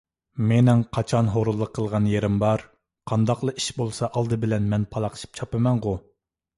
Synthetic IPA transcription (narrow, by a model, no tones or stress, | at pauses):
menɪŋqʰɑt͡ʃʰɑnɦoɾulˠːəqʰːəlˠʁɑnjeɾɪmbɑɾ | qʰɑnd̪ɑqlˠəʔi̥ʃbolˠsɑʔɑlˠd̪ɨbɪlɛnmɛnpʰɑlˠɑqʰə̥ʃi̥p̚t͡ʃʰɑpɨmɛnʁʊ